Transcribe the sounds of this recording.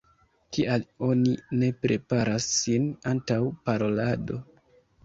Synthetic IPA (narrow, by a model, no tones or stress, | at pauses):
kialo̞nine̞pɾe̞paɾasːinantawpaɾo̞lado̞